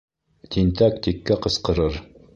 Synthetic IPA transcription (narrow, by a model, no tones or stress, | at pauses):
t̪ʲint̪ækt̪ikːæqɤ̆sqɤ̆ɾɤɾ